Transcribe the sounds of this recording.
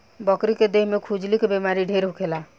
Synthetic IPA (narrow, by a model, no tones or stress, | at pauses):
bəkɾiked̪eɦmekʰud͡ʒlikebemaɾiɖʱeɾɦukʰela